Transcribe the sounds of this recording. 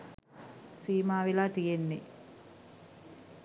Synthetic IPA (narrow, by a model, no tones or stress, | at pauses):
siːmaːʋilaːt̪ijenːe